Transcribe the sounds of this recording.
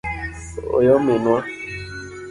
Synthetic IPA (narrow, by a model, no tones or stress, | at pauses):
o̰jɔmenwa